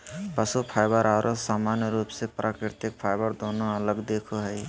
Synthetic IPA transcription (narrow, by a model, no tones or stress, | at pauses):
pəsupʰaɪbəɾaɾʔosaːmanjəɾuːpsepɾʔaːkɾɪt̪ɪk̚pʰajbəɾd̪oːnõələɡd̪eːkʰoɦɛi